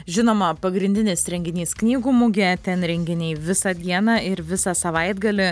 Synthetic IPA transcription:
ʒʲɪnoːmɐpɐɡɾʲɪnʲd̪ʲɪnʲɪsɾʲɛŋʲɡʲɪnʲiːsknʲiːɡuːmʊɡʲɛt̪ʲɛnɾʲɛŋʲɡʲɪnʲɛɪʋʲɪsɐd̪ʲiɛnɐɪɾʋʲɪsɑsɐʋɐɪd̪ɡɐlʲɪ

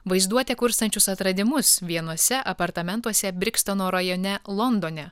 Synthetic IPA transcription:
ʋɐɪzd̪uɔt̪ʲɛkʊɾst̪ɐnʲt͡ʃʲʊsɐt̪ɾɐd̪ʲɪmʊsʋʲiɛnuɔsʲɛʔɐpɐɾt̪ɐmʲɛnt̪uɔsʲɛbʲɾʲɪkst̪onoːɾɐjɔnʲɛlˠɔnd̪oːnʲɛ

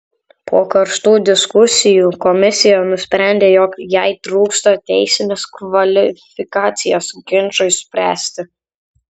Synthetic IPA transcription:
pʰoːkɐɾʃt̪uːd̪ʲɪskʊsʲɪjuːkɔmʲɪsʲɪjɛnʊsʲpʲɾʲæˑnʲd̪ʲeːjɔkjɛɪt̪ɾuːkst̪ɐt̪ʲɛɪsʲɪnʲeːskʋɐlʲɪfʲɪkɑːt̪sʲɪjoːsɡʲɪnt͡ʃɔɪsʲpʲɾʲæ̰ːsʲt̪ʲɪ

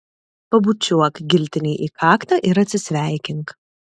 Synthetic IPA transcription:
pɐbut͡ʃʲuɔkɡʲɪlʲt̪ʲɪnʲeːʔiːkʰɑːkt̪ɐʔɪɾɐt̪ʲsʲɪsʲʋʲæˑɪkʲɪŋk

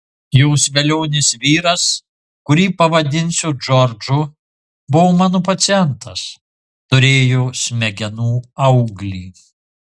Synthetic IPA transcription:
joːsʋʲɛlʲoːnʲɪsʋʲiːɾɐs | kʊɾʲiːpɐʋɐd̪ʲɪnʲsʲʊd͡ʒɔɾd͡ʒʊ | bʊʋomɑːnopɐt̪sʲɪjɛnt̪ɐs | t̪ʊɾʲeːjoːsʲmʲɛɡʲɛnuːɐʊɡlʲiː

